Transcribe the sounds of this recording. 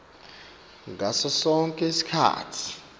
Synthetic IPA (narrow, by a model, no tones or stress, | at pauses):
ŋɡʱasɔsɔŋkʼɛsi̥kʰa̰ːtʰi̥